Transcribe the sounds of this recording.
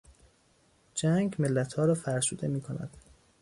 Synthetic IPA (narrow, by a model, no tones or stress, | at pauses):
d͡ʒæŋɡme̞lːæt̪ʰhɒːɾɒːfæɾsuːd̪e̞miːkʰo̞næ̰d̪̥